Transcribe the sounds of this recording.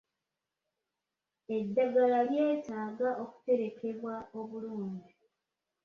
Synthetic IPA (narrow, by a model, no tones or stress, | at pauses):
e̞dːaɡalalje̞ːtaːɡaʔo̞ku̥te̞ɾe̞ke̞βwao̞βuluːɲdi